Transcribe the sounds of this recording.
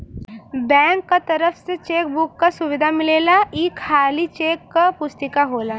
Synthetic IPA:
bɛ̃ŋkːat̪əɾəfset͡ʃeːk̚bukːasʊʋɪd̪ʱamɪleːlaiːkʰːaːlit͡ʃeːkːapʊst̪ɪkaɦoːla

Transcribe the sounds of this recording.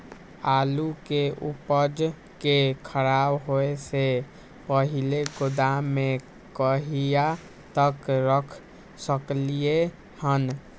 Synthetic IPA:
aːlukeʔupəd͡ʒ | kekʰəɾabɦoese | pəɦileɡod̪ame | kəɦija | t̪əkɾəkʰ | səklije | hən

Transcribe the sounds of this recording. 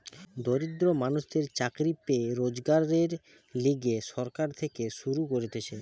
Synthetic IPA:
d̪oɾid̪ɾomanuʃd̪eɾt͡ɕakɾipeɾod͡ʑɡaɾeɾ | liɡeʃɔɾkaɾt̪ʰekeʃuɾukoɾet̪et͡ɕʰe

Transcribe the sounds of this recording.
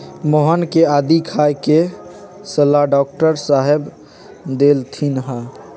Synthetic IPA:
moɦənkead̪ikʰajke | səlaɖɔk̚ʈəɾsaɦeb | d̪elt̪ʰinɦa

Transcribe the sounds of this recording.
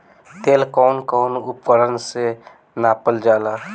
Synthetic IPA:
t̪eːlkɔnkɔːnup̚kəɾənse | naːpəld͡ʒaːla

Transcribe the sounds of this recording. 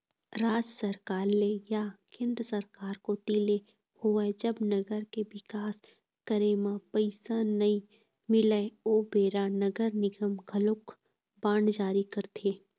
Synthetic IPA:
ɾaːd͡ʒsəɾkaːɾlejakẽːnd̪ɾəsəɾkaːɾkot̪iːle | hʊed͡ʒəbnɐɡəɾkeʋɪkaːs | kəɾemãpəɪsanɐĩ | mɪləoːbeːɾanɐɡəɾnɪɡəmɡʱəlʊk | bãːɳd͡ʒaːɾikɐɾt̪ʰeː

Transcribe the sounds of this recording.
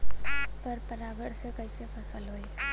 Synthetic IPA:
pɐɾpɐɾaːɡəɽsekɐɪsepʰɐsəlɦoːeː

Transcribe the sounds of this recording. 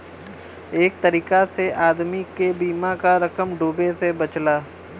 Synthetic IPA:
eːk̚t̪əɾiːkaseʔaːd̪mikebiːmakaɾɐkəmɖoːbesebɐt͡ʃlaː

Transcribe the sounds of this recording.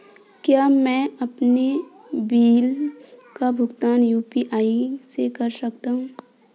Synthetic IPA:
kjaːmɛ̃ɐpne | biːlkabʱʊɡt̪aːnjuːpiʔaːisekɐɾsɐk̚t̪aɦũː

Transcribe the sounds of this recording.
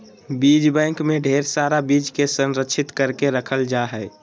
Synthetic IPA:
bid͡ʒbɛ̃ŋkmeɖʱeɾsaɾabid͡ʒkesənɾəkːʃʰit̪kəɾkeɾəkʰəld͡ʒaɦɛɪ

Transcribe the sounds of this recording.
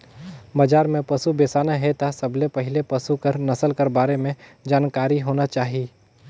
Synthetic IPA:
baːd͡ʒaːɾmẽpɐsubeːsaːnaɦɛt̪ʰasɐblepɐɦɪlepɐsukəɾnɐsəlkɐɾbaːɾemẽd͡ʒaːnkaːɾiɦoːnat͡ʃaːɦiiː

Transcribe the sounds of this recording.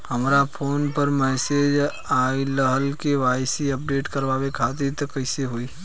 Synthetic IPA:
hɐmɾapʰoːnpəɾmɛːseːd͡ʒ | aːiləɦəlkeʋaːsiɐp̚ɖeːʈkɐɾʋaːʋekʰaːt̪it̪ɐkɐɪseɦuiː

